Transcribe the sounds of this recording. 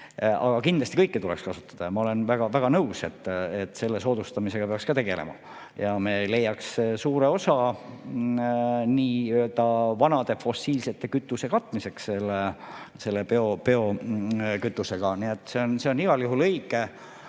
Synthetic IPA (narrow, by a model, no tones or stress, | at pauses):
ɑ̰ɡ̥ɑkind̪lɑst̪ikɤjkːet̪ulekskɑsu̥t̪ːˑɑd̪̥ɑjɑmɑo̞le̞nvæɡ̥ɑvæɡ̥ɑnɤuwse̞t̪ːˑet̪ːˑse̞lːe̞so̞ːd̪̥ust̪ɑmise̞ɡ̥ɑpeɑkskɑt̪e̞ɡ̥e̞̰lḛmɑ̰ | jɑme̞le̞jːɑksesuːɾe̞o̞sɑ | niːyølt̪ɑvɑnɑd̪̥e̞fo̞sːiːlse̞t̪ˑːe̞kyt̪ːˑuse̞kɑt̪ːˑmise̞ksse̞lːese̞lːepeopeo̞ | kyt̪ːˑuse̞ɡ̥ɑniet̪ːˑse̞onse̞o̞niɡ̥ɑljuɦulɤjɡˑe